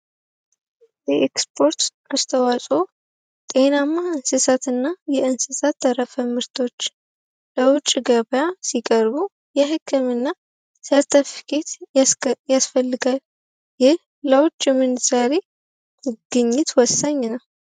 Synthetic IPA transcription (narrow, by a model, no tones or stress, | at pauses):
jɛʔekspʰo̞ɾt̪ | ast̪ʰəwasʼo̞ | t̪ʼe̞namːaɨnsɨsat̪ɨnːajɛɨnsɨsat̪ːəɾəfəmɨɾt̪ʰo̞t͡ʃː | ləwʊt͡ʃʼɡəβəjasikʼəɾbu | jɛɦɨkʰːɨmɨnːa | səɾt̪ʰəfkʰet̪ | jasfəlːɨɡal | jɪh | ləwʊt͡ʃʼːɪmːɨnz̥aɾe | ɨɡ̥ɨɲːɪt̪wɔsːaɲːnəw